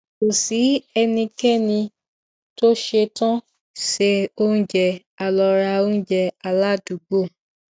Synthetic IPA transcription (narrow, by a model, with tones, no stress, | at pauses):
ko˨si˨˦ɛ˧nĩ˧kɛ˦˨nĩ˧ | to˦ʃe˧tã˦ | ʃe˧o˦n̩˦d͡ʒɛ˧˨ | a˧lɔ˧ɾa˧o˦n̩˦d͡ʒɛ˧a˧la˦˨du˨ɡ͡bo˦˨